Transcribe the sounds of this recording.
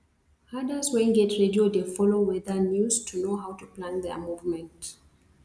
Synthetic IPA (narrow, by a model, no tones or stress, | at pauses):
hadəswɛ̃nɡɛtɹediodefɔlowɛðənjustʰunoɦawtuplãnðɛ̰muvmɛ̃nt